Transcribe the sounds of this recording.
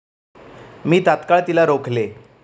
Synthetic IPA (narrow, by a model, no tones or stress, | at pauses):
miːt̪at̪kaɭt̪ilaɾokʰle